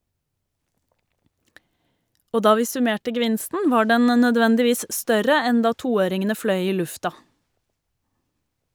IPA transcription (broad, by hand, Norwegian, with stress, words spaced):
ˈoː ˈdɑː ˈʋiː sʉˈmeːʈə ɡəˈʋɪnstn̩ ˈʋɑː ˈɖɛn ə nœˈdʋɛndɪˌʋiːs ˈstœɾə ˈɛn ˈdɑː ˈtuːˌøːɾɪŋənə ˈfɽœʏ ˈiː ˈlʉftɑ